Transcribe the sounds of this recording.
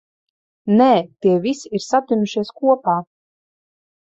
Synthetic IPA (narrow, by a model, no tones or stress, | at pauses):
nɛːt̪iɛvisiiɾsat̪ʲunmuʃiɛskuɔpaː